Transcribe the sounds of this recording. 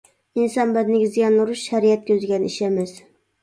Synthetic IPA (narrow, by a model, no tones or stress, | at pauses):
insɑnbɛd̪nɪɡʲizɡʲɛnːɾuʃːæɾiɛt̪̚kʲøzɡʲɛniʃɛmɛs